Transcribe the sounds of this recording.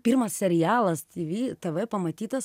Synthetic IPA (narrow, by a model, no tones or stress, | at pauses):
pʲiɾmɐssʲɛɾʲɪjæːlˠɐst̪ʲiʋʲiːt̪ɛʋɛpɐmɐt̪ʲiːt̪ɐs